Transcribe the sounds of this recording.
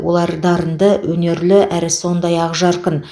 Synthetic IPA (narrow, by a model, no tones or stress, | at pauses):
wo̞̰lˠɑɾd̪ɑɾənd̪əwʔɵne̞ɾlɪʔæɾɪso̞nd̪ɑjɑʁʒɑɾqən